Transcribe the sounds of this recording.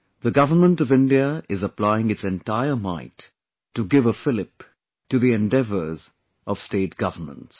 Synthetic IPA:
ðəɡʌvə˞mə̃ntʌvɪ̃ndiəɪzəplaɪɪ̃ŋɨtsɛ̃ntaɪəmãɪ̃tː | uɡɪvəfɪlɪp | tɨðiɛ̃ndɛvə˞z | ʔʌv̥steːt̚ɡ̥ʌvə˞mə̰̃nts

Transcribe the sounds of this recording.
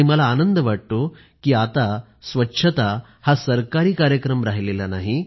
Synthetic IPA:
im̤ɐlaːnənd̪ɐʋaʈʈːu | kiat̪a | sʋɐtːʂʰɐt̪a | hasɐɾkaɾiːkaːɾjəkɾɐmɾaːɦililɐnaːɦi

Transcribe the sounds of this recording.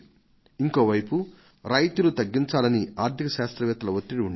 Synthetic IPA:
iŋko̞ːʋɐjpu | ɾɐjt̪ulut̪ɐɡːiɲt͡ʃaːlɐniaːɾt̪ʰikɐʃaːst̪ɾɐʋɛːt̪ɐlɐʋot̪ːiɽiuɳ

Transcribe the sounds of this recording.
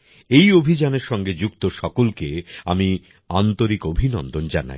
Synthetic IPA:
ejobʱid͡ʑaneɾʃɔŋɡed͡ʑukt̪oʃɔkolkeami | ant̪oɾikobʱinɔnd̪ond͡ʑa̰na̰j

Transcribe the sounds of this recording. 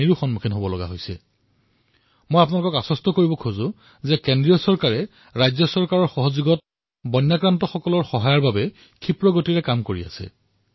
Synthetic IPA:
iɹuxɔnmukʰinɦobɔlɔɡa̰ɦojsɛ̰ | mojapnalʊkɔkasɔstɔkoɹibɔkʰozʊ | zɛkendɹijɔsɔɹkaɹɛ | ɹajzɔsɔɹkaɹɔɹxɔɦɔzuɡɔt | bɔnːakɹantɔxɔkɔlɔɹxɔɦajaɹbabɛ | kʰipɹɔɡotiɹɛkamkoɹia̰sɛ̰

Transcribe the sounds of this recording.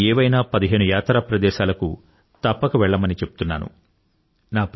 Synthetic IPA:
ɛːʋɐjnaːpɐd̪iɦe̞ːnujaːt̪ɾaːpɾɐd̪ɛːʃaːlɐku | t̪ɐpːɐkɐʋɛɭːɐmɐnit͡ʃe̞pu̥t̪unːa̰ːnṵ | naːp

